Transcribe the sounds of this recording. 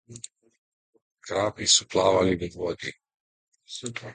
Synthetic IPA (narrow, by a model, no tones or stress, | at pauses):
kɾaːpisuplaːʋaliniɡod̪ḭ